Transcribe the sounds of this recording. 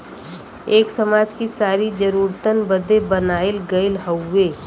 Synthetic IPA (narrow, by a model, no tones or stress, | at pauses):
eːksəmaːd͡ʒkisaːɾid͡ʒəɾuːɾt̪ənbəd̪ebənaːɪlɡəɪlɦəʊːeː